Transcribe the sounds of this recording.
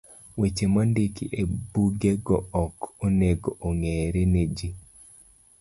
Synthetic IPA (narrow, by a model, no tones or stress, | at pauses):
wet͡ʃemandikiʔebuɡeɡɔɔkoneɡoʔoŋeɾened͡ʒi